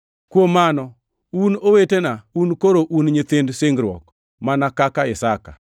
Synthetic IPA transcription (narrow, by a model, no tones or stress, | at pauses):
kwomanɔ | unowetenaunkoɾoʔunɲɪt̪endseŋɡɾwɔ̰k | manakakaɪsaka